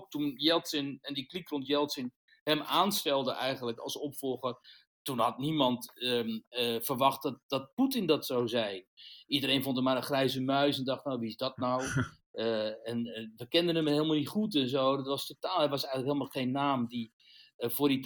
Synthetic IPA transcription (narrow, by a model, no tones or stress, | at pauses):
k̚tunjɛlˠtsɪnɛndiklikrɔntjɛlˠtsɪn | hɛmaːnstɛlˠdəʔɛjɣənləkɑ̰lˠsɔpfɔlˠɣər | tunhɑtnimɑnt | fərʋɑχt̚dt̚d̥ɔt̚putɪndɔtsawzɛjnidəreːnfontəmarəχrɛjzəmœɥsɛndɑχtnawʋiɪsdɔt̚naw | ɛnʋəkɪndənəmeːlˠmalˠnitχut̬ɛnzoːdətʋɑstotaːlˠhɛʋɑsɛjɣənləkɦeːlˠmalˠχeːnːaːmdi | fʊːrdi